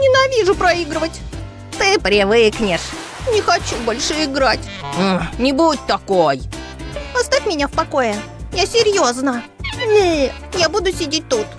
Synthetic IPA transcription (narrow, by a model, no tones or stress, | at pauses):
nʲɪnɐvʲiʐʊpɾɐiɡɾɨvətʲ | t̪ɨpɾʲɪvɨknʲɪʂ | nʲɪxɐt͡ɕubo̞lʲʂɨɪɡɾat̩ʲ | nʲɪbut̚ʲt̪ɐkoj | ɐst̪afʲmʲɪnʲafpɐko̞jɪ | jasʲɪɾʲjo̞znənʲ | jabud̪ʊsʲɪdʲet̚ʲt̪ut̪